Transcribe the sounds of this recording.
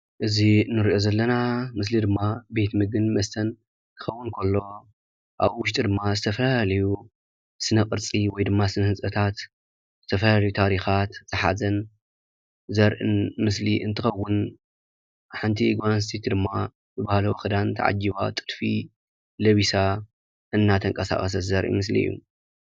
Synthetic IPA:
ʔɨzinɨɾiʔo̞zɐlːɐnamɨs̬lid̪ɨmːabe̞t̪mɨɡɨnmɐst̪ʰɐn | kʰɨ̥xɐwːʊnkʰolːo̞ | ʔa̰βwʊʃt̪ʼid̪ɨmːazɨt̪ʰɐfɐlalalɐju | sɨnɐkʼɨɾt͡sʼiwɔjd̪ɨmːasɨnɐhɨsʼɐt̪ʰat̪ | z̥ɨt̪ʰɐfɐlalɐjut̪ʰaɾixat̪z̥ɨħa̰zɐn | zɐɾʔɨ̰nmɨsliʔɨnt̪ʰɨxɐwːʊn | ħɨnt̪ʰiɡanst̪ʰit̪d̪ɨmːa | zɨbahalɐwxɨd̪ant̪ʰa̰ʕa̰d͡ʒiβa̰t̪ʼɨd̪fi | lɐβisa | ʔɨnːat̪ʰɐŋkʼɐsa̰χʼɐs̬ɐzɐɾʔḭmɨs̬lḭɨ̰jːṵ

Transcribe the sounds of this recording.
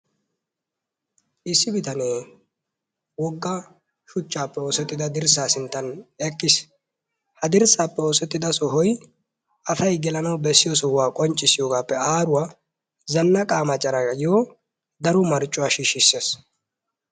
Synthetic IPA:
ʔɪsːɪbɪt̪ɐneː | wɔɡːɐ | ʃʊt͡ʃːaːpːɛoːsɛt̪ːɪd̪ɐd̪ɪɾsaːsɪnt̪ːɐnɛkʼːɪs | hɐd̪ɪɾsaːpːɛoːsɛt̪ːɪd̪ɐsɔɦɔj | ʔɐfɐjɡɛlɐnɐwbɛsːɪjɔsɔhʊwaːkʼɔnt͡ʃʼːɪsɪjoːɡaːpːɛaːɾʊwaː | zɐnːɐkʼaːmɐt͡ʃʼːɐɾɐjoː | d̪ɐɾʊmɐɾt͡ʃʼːʊwaːʃiːʃɪsːeːs

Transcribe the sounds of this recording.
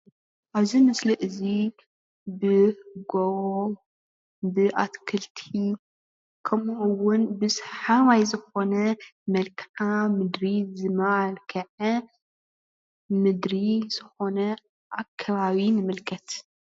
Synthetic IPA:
ʔaβzimɐsliʔɨzi | bɨɡowo | bɨʔat̪kʰɨlt̪ʰi | kʰɐmwʊnbɨsħaβajzɨxo̞nɐmɐlkʰamɨd̪ɾizɨmɐalkʰɐʕɐ | mɨd̪ɾiz̥ɨxo̞nɐ | ʔakʰːɐβaβinɨmɨlkʰɐt̪

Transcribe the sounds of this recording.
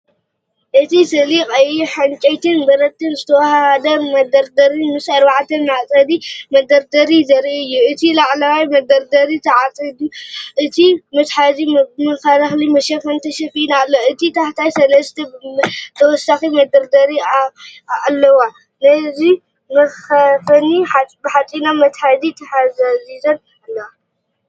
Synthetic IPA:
ʔɨt̪ʰisɨlikʼɐjuħant͡ʃʼɐjt̪ʰɨnbɐɾɐt̪ːɨnzɨt̪ʰɐwɐhahad̪ɐmɐd̪ɐɾd̪ɐɾimɨsɐɾbaʕt̪ʰɐnmaʔt͡sʼɐd̪imɐd̪ɐɾd̪ɐɾizɐɾiɨjːuɨt̪ʰilaʕlɐwajmɐd̪ɐɾd̪ɐɾit̪ʰɐʕat͡sʼɐd̪uʔɨt̪ʰimɨt̪ħazimɨxɐɾɐxlimɐʃɐfɐnt̪ʰɐʃɐfinalːoɨt̪ʰit̪ʰaħt̪ʰajsɐlɐst̪ʰɐt̪ʰɐwɔsːaximɐd̪ɐɾd̪ɐɾi | alːɐwa | nɐzi | mɐɐfɐniħabɨħat͡s̪ʼinamɐt̪ħad̪it̪ʰɐħazɐzizɐn | alːɐwa

